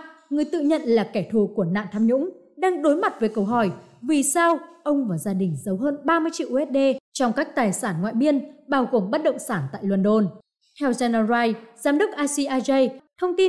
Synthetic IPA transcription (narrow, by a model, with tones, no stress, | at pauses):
ŋɨ˨˩əjt̪ɨ̰˧˨ɲə̰˧˨nlaː˨˩kɛ˧˩t̪ʰu˧˩ku˧˩əna̰ː˧˨nt̪ʰaː˧mɲʊ̰˧˥ŋ͡m | ɗaː˧ŋɗo˨˦jma˨˩t̚vəː˨˦jkə˧wɦɔ˧˩jvi˨˩saː˧wʔə˧wŋ͡mvaː˨˩zaː˧ɗï˨˩ŋ̟zə˨˦wɦəː˧nɓaː˧mɨ˧əjt͡ɕḭ˧˨wʔɛ˦˥t̚ɗe˧t͡ɕɔ˧wŋ͡mkaː˦˥k̚t̪aː˨˩jsaː˧˩nŋwa̰ː˧˨jɓi˧ənɓaː˧wɣo˨˩mɓə˦˥t̚ɗə̰˧˨wŋ͡msaː˧˩nt̪a̰ː˧˨jlwə˨˧˩nɗo˧n | t̪ʰɛ˧wzaː˧n˧zaː˧jzaː˨˦mɗə˦˥k̚ʔaː˧si˧ʔaː˧zə˧jt̪ʰə˧wŋ͡mt̪i˧